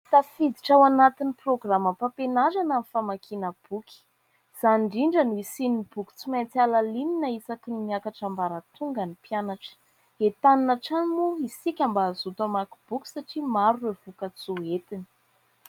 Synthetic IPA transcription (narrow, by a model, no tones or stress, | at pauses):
t̪afid̪iʈ͡ʂawanat̪iniproɡraməpapenazananifamakʰinəb̥ukʲi̥ | z̥aɳɖ͡ʐiɳɖ͡ʐənuisinibuki̥t͡simant͡s̪alalininəisakinimiakaʈ͡ʂambaɾat̪uŋɡanipjanaʈ͡ʂə̥ | et̪aninaʈ͡ʂanimuisikʲambaːzut̪amakub̥ukʲi̥saʈ͡ʂimaɾuwevukət͡suet̪ini̥